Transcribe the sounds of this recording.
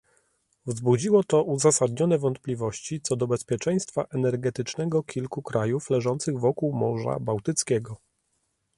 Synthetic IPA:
vzbud͡ʑiwɔt̪ɔʔuzasad̪ɲɔnɛvɔnt̪̚plʲivɔɕt͡ɕit̪sɔd̪ɔbɛspʲjɛt͡ʂɛj̃st̪faʔɛnɛɾɡɛt̪ɘt͡ʂnɛɡɔkʲʰilkukɾajuflɛʐɔnt̪sɘɣvɔkuwmɔʐa̰bawt̪ɘt̪skʲɛɡɔ

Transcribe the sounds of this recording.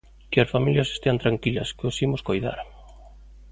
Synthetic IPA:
kɪɐsfamiljɐse̥st̪eant̪ɾaŋkilɐ̰skosimʊskojða̰ɾ

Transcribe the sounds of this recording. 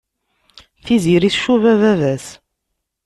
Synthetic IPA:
θiziɾiθʃuvævævæs

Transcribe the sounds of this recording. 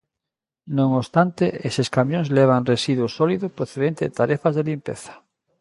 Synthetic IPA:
nõŋost̪ant̪eeseskamjõŋzleβ̞aŋresiðwusoliðopɾoθeð̞ent̪eet̪aɾefazðelimpeθḁ

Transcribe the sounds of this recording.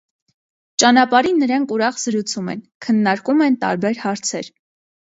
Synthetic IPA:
t͡ʃɑnɑpɑɾinːəɾɑŋkʰuɾɑχz̥əɾut͡sʰumɛ̰nkʰənːɑɾkumɛnt̪ɑ̰ɾbɛɾhɑɾt͡sʰɛɾ

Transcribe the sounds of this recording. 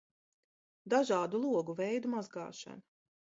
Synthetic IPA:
d̪aʒɑːd̪ulˠuɔɡuvɛjd̪umazɡɑ̰ːʃa̰na

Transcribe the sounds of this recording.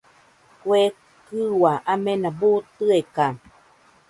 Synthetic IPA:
kwe | kɨwaʔamenabut̪ɯeka

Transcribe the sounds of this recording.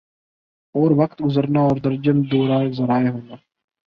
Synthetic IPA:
ɔːɾʋɐkt̪ɡʊzəɾnaɔːɾd̪ɐɾd͡ʒəmd̪oːɾaːzɐɾaːeɦoːnaː

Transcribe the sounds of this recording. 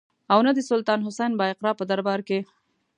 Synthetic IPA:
awnad̪əsʊlt̪ɑnɦʊsajnbɑɪqɾɑpəd̪aɾbɑɾke

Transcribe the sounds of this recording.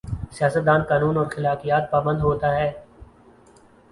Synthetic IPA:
sijaːsət̪̚d̪aːnkaːnuːnɔːɾxɪlaːkijaːt̪̚paːbə̃nd̪ɦoːt̪aɦɛː

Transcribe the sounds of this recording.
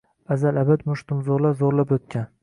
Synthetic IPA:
azalabat̪mʊʃt̪ʊmzoɾlazoɾlapɵt̪̚kʲan

